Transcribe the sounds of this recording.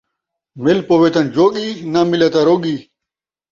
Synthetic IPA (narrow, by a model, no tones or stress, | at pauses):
melpoːʋet̪ɐnd͡ʑoːɠiːnaːmilet̪aːɾoːɠiː